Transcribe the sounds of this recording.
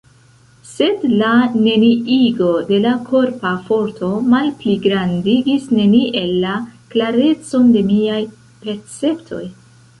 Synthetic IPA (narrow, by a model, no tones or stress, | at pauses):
se̞dlane̞niʔiɡo̞de̞lakʰo̞ɾpafo̞ɾtʰo̞malpliɡɾandiɡisne̞niʔe̞lːaklaɾe̞t͡so̞nde̞miaj | pe̞ɾt͡se̞ptʰo̞̰j